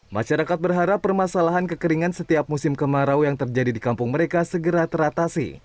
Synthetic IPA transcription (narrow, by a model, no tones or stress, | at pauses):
ma̰ʃaɾakat̪̚bərɦaɾapːərmasalaɦankəkəɾiŋansət̪iap̚musɪmkəmaɾawjaŋt̪ərd͡ʒadidikampʊŋməɾekasəɡəɾat̪əɾat̪asḭ